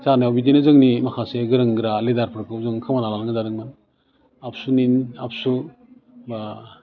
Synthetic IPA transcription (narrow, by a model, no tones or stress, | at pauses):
zanajawbidenazɯŋnimakʰaseɡɯɾɯŋɡɾaledaɾpʰɯɾkʰɯwzɯŋkʰɯmanalalɯŋɯzadɯŋman | ap̚ʰsuninap̚su | ba